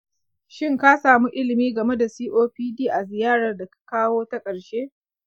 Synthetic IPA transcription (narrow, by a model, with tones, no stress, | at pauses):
ʃɪ˦ŋka˦saː˨mu˦ʔɪ˦lɪ˨miː˦ɡɐ˨me˦da˨siː˦ʔoː˦ɸiː˦diː˦ʔa˨zɪ˨jaː˦ɽɐ˨rda˨kḁ˨kaː˦woː˦ta˦kʼɐ˨ɽʃeː˦